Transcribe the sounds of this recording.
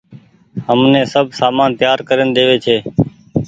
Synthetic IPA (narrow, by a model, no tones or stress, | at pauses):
ɦəmnẽːsəbʱsaːmaːnt̪jaːɾkəɾənd̪eːʋeːt͡ʃʰeː